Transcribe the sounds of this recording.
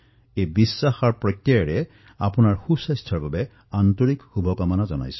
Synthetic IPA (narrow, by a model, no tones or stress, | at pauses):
ejbisːaxaɹpɹɔtːiaɹɛ | a̰punaɹxusajstʰɔɹbabɛ | antoɹikxubʱɔkɔmanazɔna̰js